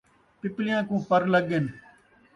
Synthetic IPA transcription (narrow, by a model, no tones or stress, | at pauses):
pɪplɪjãːkũːpəɾləɡen